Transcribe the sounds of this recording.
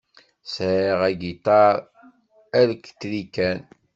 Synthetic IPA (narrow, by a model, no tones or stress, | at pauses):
sɾiʁæɡit̪ɑɾˤ | æləkːt̪ːɾikːæn